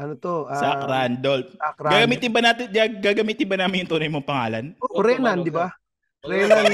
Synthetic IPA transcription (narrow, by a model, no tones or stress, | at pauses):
ʔɐnot̪oʔsakɾand̪olfakɾɡaːɡɐmiːt̪ɪnbɐnaːt̪ɪnd̪aɡɡaːɡɐmiːt̪ɪnbɐnaːmɪnjʊŋt̪ʊnɐjmoŋpɐŋaːlɐnoɾɛnand̪ɪba | ɾɛnan